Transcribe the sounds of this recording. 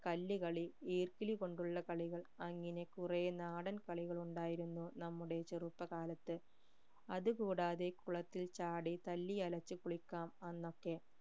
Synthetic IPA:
kɐlːikɐɭiiːrkiliko̞ɳɖuɭːɐkɐɭiɣɐɭɐŋːɐne̞kurenaːɽɐnkɐɭiɣɐɭuɳɖaːjiɾunːunɐmːuɽe̞t͡ɕerupːɐkaːlɐt̪ːɨ | ɐðukuːɽaːðe̞kuɭɐt̪ːilt͡ɕaːɽit̪ɐlːiɐlɐt͡ɕːɨkuɭikʲːaːmɐnːo̞kːe̞

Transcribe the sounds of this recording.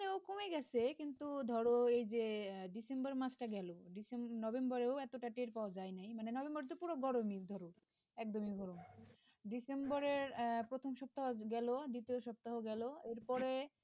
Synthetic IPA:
neokomeɡɛt͡ɕʰekint̪ud̪ʱɔɾoejd͡ʑeɖisembaɾmat͡ɕʈaɡɛloɖisemnɔbembɔɾeoɛt̪oʈaʈiɾpaoad͡ʑajnajmanenɔbembɔɾet̪̬opuɾoɡɔɾomid̪ʱɔɾo | ɛk̚d̪omiɡɔɾom | ɖisembɔɾeɾpɾot̪ʰomʃɔp̚t̪aɦoɡɛlod̪it̪eoʃɔb̚t̪aɦoɡɛloeɾpɔɾe

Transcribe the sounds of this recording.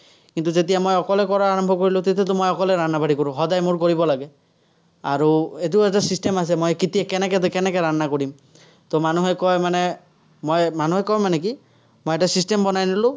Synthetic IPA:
kintuzet̬ijamojɔkɔlɛkɔɹaaɹɔmbʱɔkoɹilʊ̃t̪et̬ɛt̬ʊmojɔkɔlɛɹannːabaɾikoɹʊ̃ɦɔdajmʊɹkoɹibɔlaɡɛ | aɹuet̬uɛtasistemas̬ɛmojkitiɛkɛnɛkɛtkɛnɛkɛɹannakoɹim | t̪omanuɦɛkɔjmanɛ | mojmanuɦɛkɔjmanɛk̬i | mojɛtasistembɔnajnilʊ̃

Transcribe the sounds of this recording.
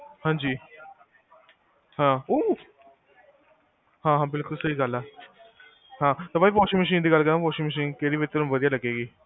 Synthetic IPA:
hãːɲd͡ʒiː | hãːoː | hãːɦãːbɪlkʊlsəiːɡəlɛː | hãːt̪oːpaːiːpoːʃiməʃ̬iːnd̪iːɡəlkəɾãːpoːʃiməʃ̬iːnkeːɽiːʋɪt̪ːəɾ̃ʋəd̪ijaːləɡeːɡiː

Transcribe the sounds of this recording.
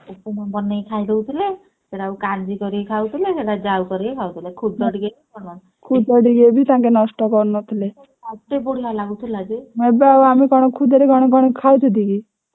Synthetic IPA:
upumɔnbɔnːejkʰajd̪ewt̪ʰile | seɽaawkand͡ʒikɔɾiekʰawt̪ʰileseɽad͡ʒawkɔɾiekʰawt̪ʰilekʰud̪ɔɽiɡebikɔnɔ | kʰud̪ɔɖiɡebʱit̪ãkenɔsʈɔkɔɾnɔt̪ʰile | aʈ̪eboɽ̤ialaɡut̪ʰilad͡ʒimebawamikɔɽ̃ɔkʰud̪eɾekɔɽ̃ɔkɔɽ̃ekʰawt̪ʰud̪iki

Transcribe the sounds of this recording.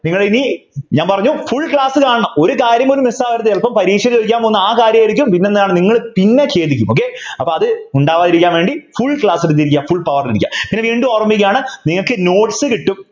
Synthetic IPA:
niŋːɐɭeiniɲaːnpɐrɐɲːufuɭkɭaːsɨkaːɳɐɳɐmo̞ɾukaːɾjɐmoɾumisaːʋɐɾɐt̪ːɨelpɐmpɐɾiːʂɐɾiliɾik̬ʲːaːmponːɨaːkaːɾjɐmɐɾikʲːumpinːenːɐðaːɳɨniŋːɐɭpinːe̞t͡ɕe̞ːt̪ikʲːumoːk̬ːe̞ɐpːoːɐðɨuɳɖaːʋaːðiɾikʲːaːnʋe̞ːɳɖifuɭkɭaːsiɾut̪iɾik̬ʲːafuɭpɐʋɐrniɾikʲːa̰ːmpinːeʋiːɳɖuorɐmːikɐjaːɳɨniŋːɐɭkːɨno̞ːʈi̥sɨkiʈːum

